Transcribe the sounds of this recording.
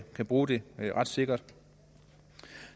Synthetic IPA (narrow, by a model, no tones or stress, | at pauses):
kʰæb̥ʁuːd̥e̝ʁɑ̈d̥se̝ɡ̥ɐd̥